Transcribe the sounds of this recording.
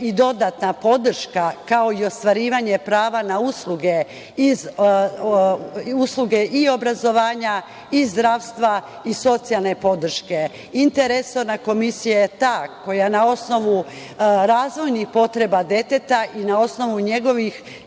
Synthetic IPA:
id̪o̞d̪at̪napo̞d̪r̩ʃkakao̞io̞st̪ʋaɾiːʋaɲe̞pɾaːʋanausluɡe̞ | iz | uslˠuɡe̞ʔio̞bɾazo̞ʋaːɲa | izd̪ɾaːʋst̪ʋa | iso̞t̪sijalˠne̞po̞d̪r̩ʃke̞ | int̪eɾe̞so̞ɾnako̞misijajet̪ako̞janao̞sno̞ʋu | ɾaːzʋo̞jnixpo̞t̪ɾe̞bad̪e̞t̪e̞t̪aʔinao̞sno̞ʋuɲe̞ɡo̞ʋix

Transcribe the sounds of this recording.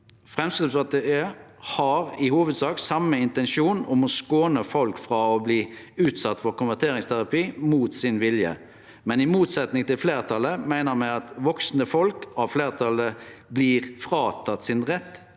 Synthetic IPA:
fʁɛmskʁɪpsɑt̪ʰːəəhɑʁɪhuːʋəd̪sɑːksɑmːəɪnt̪ɛnʃuːnʊmɔskoːnəfɔlkfʁɑɔbliː | ʉːt̪sɑt̪ːfɔɾkʊnʋæʁt̪ʰeːɾɪŋst̪ʰæʁɑpiːmuːt̪sɪnʋɪljə̰ | mɛnɪmuːt̪sɛt̪nɪŋt̪ɪlfleːʁt̪ʰɑləmæɪnəʁmæɪɑt̪ʋɔksn̩əfɔlkɑʋfleːʁt̪ʰɑləbliːʁfʁɑːt̪ʰɑt̪sɪnʁɛt̪ː

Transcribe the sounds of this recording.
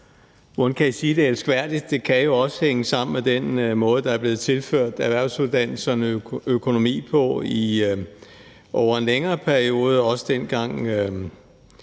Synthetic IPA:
ʋonkʰæisiːd̥e̝elsɡ̥ʋæɐ̰d̥id̥̚ːe̝kʰæjo̝ɒ̽sə̥heŋəsɑ̈m̰n̩med̥enmɔ̽ːð̞̩ˠəd̥ɑ̈æɐble̝ːð̞̩ˠt͡sʰe̝lføɐ̰d̥æʋæɐ̰ʊsuð̞ˠd̥æn̰l̩sɐnəøkʰo̝no̝mḭːpʰɒ̽i | ʔɒʊɐe̝nleŋɐːpʰæɐio̝ːð̞ˠəɒ̽sə̥d̥enɡ̥ɑ̈ŋ̰

